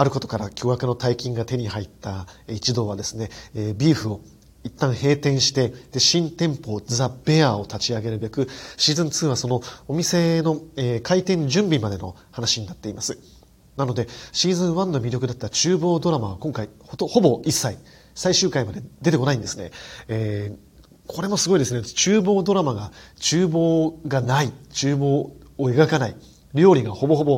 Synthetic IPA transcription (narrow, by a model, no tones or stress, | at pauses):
aɾɯ̟ko̞t̪o̞̥kaɾakʲo̞ːjakɯ̟no̞t̪aikʲĩŋɡat̪e̞ɲ̟ihait̪ːait͡ɕid̪o̞ːβ̞ad̪e̞sɨne̞ːbʲiːɸɯ̟o̞ | it̪ːãɰ̃he̞ːt̪ẽ̞ɰ̃ɕi̥t̪e̞d̪̥e̞ɕĩnt̪ẽ̞mpo̞ːd͡zɨab̥e̞ao̞t̪at͡ɕiaɡe̞ɾɯ̟be̞kɯ̟ɕiːzɨ̃nt͡sɨːβ̞aso̞no̞omʲise̞no̞eːkait̪ẽ̞ɲ̟d͡ʑɨ̃mbʲimad̪e̞no̞̰hanaɕiɲ̟inat̪ːe̞imasɨ | nano̞d̪e̞ɕiːzɨ̃ɰ̃βãnːo̞mʲiɾʲo̞kɯ̟d̪at̪ːat͡ɕɨːbo̞ːd̪o̞ɾamaβakõ̞ŋkaihot̪oho̞bo̞isːai | saiɕɨːkaimad̪e̞d̪e̞t̪eko̞naĩnd̪e̞sɨ̥ne̞̰eː | kʰo̞ɾe̞mo̞sɨɡo̞id̪e̞sɨne̞t͡ɕɨːbo̞ːd̪o̞ɾamaɡat͡ɕɨːbo̞ːɡanait͡ɕɨːbo̞ːe̞ɡakanai | ɾʲo̞ːɾʲiɡaho̞bo̞ɦo̞bo̞